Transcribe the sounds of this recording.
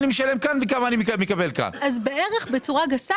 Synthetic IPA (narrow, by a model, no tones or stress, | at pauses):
nimeʃale̞mkanvekamaːnimekamekabelka̰nazbeʔeʁeχbet͡suʁaɡasa